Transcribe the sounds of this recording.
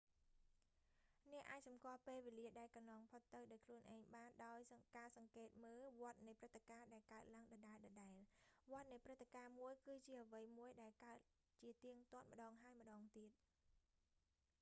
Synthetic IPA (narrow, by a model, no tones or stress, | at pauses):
nɛ̆əʔaːc̚sɑmkŏəlpeːlʋeːliəɗaɛlkɑnlɑːŋpʰot̪ːɨwɗaɔjkʰluənʔaɛɲɓaːnɗaɔjkaːsɑŋkeːt̪̚məːlʋŏət̪̚nɨjprɨt̪ʰːekaːɗaɛlkaət̪̚laəŋɗɑːɗaɛlɗɑːɗaɛlʋŏət̪̚nɨjprɨt̪ʰːekaːmuəjkɨːt͡ɕiəʔəʋɨjmuəjɗaɛlkaət̪̚ | t͡ɕiət̪iəŋt̪ŏət̪̚mə̆ɗɑːŋɦaəjmə̆ɗɑːŋt̪iət̪̚